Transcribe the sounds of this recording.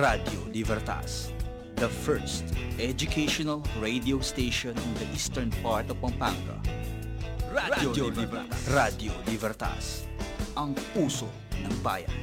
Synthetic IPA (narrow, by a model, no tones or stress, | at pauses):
ɾad̪jolɪbɛɾt̪a̰s | d̪ɐfɛɹst̪ʔɛd͡ʒʊkʰeʃonɐlɹejd̪iowst̪ejʃɔnʔɪnd̪ɐʔiːst̪ɛɹnpaɹt̪ɔvpɐmpaŋɡɐ̰ | ab̪aɾad̪jolɪbɛɾt̪a̰s | ʔɐŋpuːso | nɐŋba̰ːjɐ̰